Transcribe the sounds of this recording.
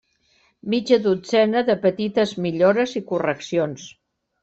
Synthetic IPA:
mid͡ʒəðud͡zɛnəðəpət̪it̪əzmiʎoɾəzikurəksions

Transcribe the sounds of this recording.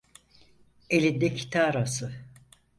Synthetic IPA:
elʲid̪ɛcʰi̥t̪ʰaːɾasɯ

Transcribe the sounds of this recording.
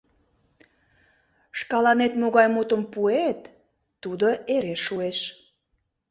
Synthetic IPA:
ʃkɑlɑnet̪moɣɑjmot̪əmpuet̪ː | ud̪oeɾeʃːueʃ

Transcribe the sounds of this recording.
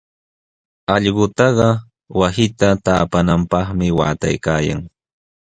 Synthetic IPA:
ɑʎɢʊt̪ɑɢɑ | wasɪt̪at̪aːpanampɑχmɪwa̰ːt̪a̰jkaːja̰ŋ

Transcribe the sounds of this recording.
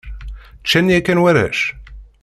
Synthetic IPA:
t͡ʃːænjækːænwæɾæ̰ʃ

